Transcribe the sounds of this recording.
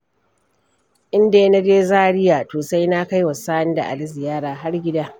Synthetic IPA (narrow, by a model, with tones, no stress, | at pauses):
ʔɪ˦nda˨jna˦d͡ʒeː˦zaː˦ɽɪ˦jaː˨toː˨sa˦jna˦ka˦jwɐ˨saː˦ɪ˦nda̰˨ʔa̰˨lɪ˦zɪ˨jaː˦ɽaː˨ɦa˦rɡʲɪ˦daː˦